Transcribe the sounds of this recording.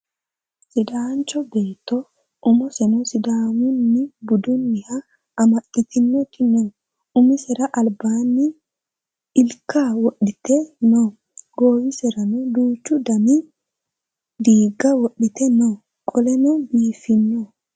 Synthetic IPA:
sɪd̪aːnt͡ʃːɔbeːt̪ːɔ | ʔʊmɔsɛnɔsɪd̪aːmʊnːɪbʊd̪ʊnːɪhɐ | ɐmɐʔɪt̪ɪnːɔt̪ʰɪnɔ | ʊmɪsɛɾɐʔɐlbaːnːɪ | ɪlkːawɔɗɪt̪ɛnɔ | ɡoːwɪsɛɾɐnɔd̪uːt͡ʃːʊd̪ɐmɪ | d̪iːɡɐwɔɗːɪt̪ɛnɔ | kʼɔlɛnɔbiːfɪnːɔ

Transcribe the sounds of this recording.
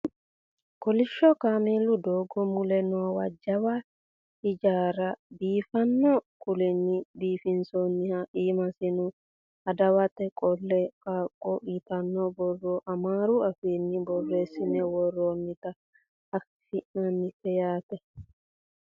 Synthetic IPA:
kɔlɪʃːɔkameːlːʊd̪oːɡɔmʊlɛnoːwɐd͡ʒːɐwɐ | ɪd͡ʒaːɾɐbiːfɐnːɔkʊlɛnːɪbiːfɪnsɔnːɪhɐʔiːmɐsɪnʊ | ɐd̪ɐwɐt̪ɛkʼɔlːɛkaːkʼːɔʔiːt̪ɐnːɔbɔrːoʔɐmaːɾuɐfiːnːɪbɔrːeːsɪnɛwɔrːoːnːɪt̪ɐ | ɐf | fɪʔnɐnːɪkɛjaːt̪ɛ

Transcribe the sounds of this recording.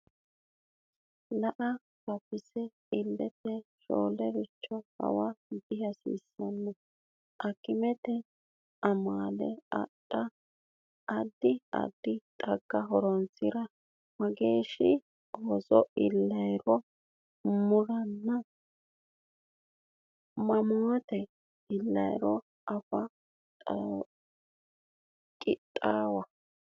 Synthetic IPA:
lɐʔɐ | bɐpːɪsɛ | ɪlːɛt̪ɛʃo̰ːlɛɾɪt͡ʃːɔhɐ̰wɐb̪ɪhɐsḭːsːɐnːɛ | ʔɐkːɪmɛt̪ɛ | ʔɐmaːlɛɐ̰ɗɐ | ɐd̪ːɪɐ̰d̪ːɪt̪ʼɐɡːɐɦɔɾɔnt͡sɪɾɐ | mɐɡeːʃɪ | ɔzɔʔɪlːɐjɾɔ | mʊɾɐnːɐ | mɐmoːt̪ɛ | ɪlːɐjɾɔ | ʔɐfɐ | kʼɪt̪ʼːaːwɐ

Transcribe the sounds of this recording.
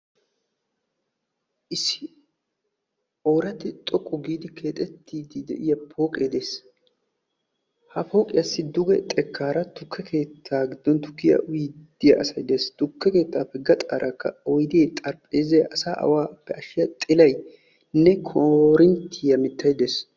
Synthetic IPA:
ʔɪsɪ | oːɾɐt̪ɪt̪ʼɔkʼːʊɡiːd̪ɪkʰe̞ːt̪ʼɛt̪ːiːd̪ɪd̪ɛ̰ʔɪjɐpʰo̞ːkʼeːd̪e̞ːs | hɐpʰo̞ːkʼɪjɐsːɪd̪ʊɡɛt̪ʼɛkʰːaːɾɐt̪ʊkʰːɛkʰe̞ːt̪ʰːaːɡɪd̪ːɔnt̪ʊ̥kːɪjɐ̰wiːd̪̥ːɪjɐɐsɐjd̪e̞ːst̪ʊkːɛke̞ːt̪ːaːpɛɡɐt̪ʼa̰ːɾʔɐkːɐ̰ɔjd̪eːt̪ʼɐɾpʼeːzɐjʔɐsaːʔɐ̰waːpːɛʔɐʃɪjɐt̪ʼɪlɐj | nɛkʰoɾɪnt̪ʰːɪjɐmɪt̪ʰːɐjd̪eːs

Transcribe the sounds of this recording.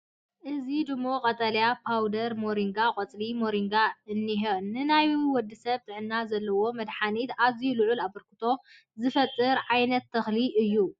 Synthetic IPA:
ʔɨzid̪ɨmːo̞kʼɐt̪ʼɐljapʰawd̪ɐɾmoɾiŋɡakʼɐt͡sʼlimo̞ɾiŋɡaɨnːiɦenːɨnajwɔd̪ːɨsɐβt̪ʰʼɨʕɨnːazɐlːɐwo̞mɐd̪ħanit̪azijulɨʕulaβɐɾkʰɨt̪ʰo̞ | zɨfɐt̪ʼːɨɾʕajnɐt̪ʰːɐxliʔɨjːu

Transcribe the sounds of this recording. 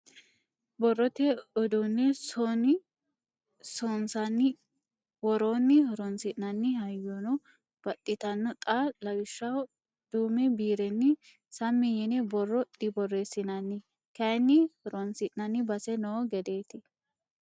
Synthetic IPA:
bɔrːɔt̪ɛɔd̪unːɛsɔnɪ | sɔnsɐnːɪ | wɔɾoːnːɪhɔɾɔnsɪʔnɐnːɪhɐjːɔnɔ | b̥ɐt̪ʼːɪt̪ɐnːɔt̪ʼalɐwɪʃːɐw | d̪̥uːmɛbiːɾɛnːɪ | sɐmːɪjɛnɛbɔrːɔd̪ɪbɔrːesɪnɐnːɪ | kɐnːɪhɔɾɔnsɪʔnɐnːɪbɐsɛnɔɡɛd̪eːt̪ɪ

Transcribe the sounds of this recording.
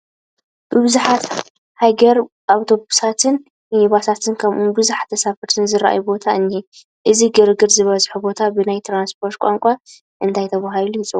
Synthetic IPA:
b̥ɨβɨzuħat̪ | haɡɐɾ | ʔawt̪ʰo̞busat̪ʰɨn | jiβasat̪ʰɨnkʰɐmʔubɨzuħḁt̪ʰːɐsafɐɾt̪ʰɨnzɨɾaʔa̰jubo̞t̪ʰaɨnːi | ʔɨziɡɨɾɨɡɨɾzɨβɐzħubo̞t̪ʰabɨnajt̪ʰɾanspʰo̞ɾt̪̚kʷʼa̰ŋkʷʼa | ʔɨnt̪ʰajt̪ʰɐβaɦalujɪt͡sʼɨβ

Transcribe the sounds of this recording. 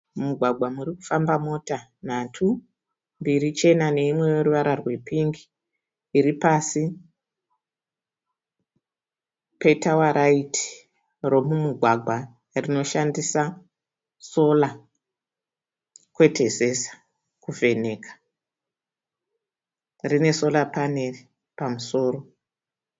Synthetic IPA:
muɡʱwaɡʱwamuriku̥fambamo̞ta | natʰu | mbiɾit͡ʃe̞nane̞imwe̞jo̞ruʋaɾarwe̞piŋɡiː | ɾipasi | pe̞tawaɾʔaitʰi̥ | ro̞mumuɡʱwaɡʱwa | rino̞ʃandisa | so̞la | kwe̞tʰe̞sesḁ | kuve̞ne̞kḁ | rine̞so̞lapane̞ri | pamuso̞ːɾo̞

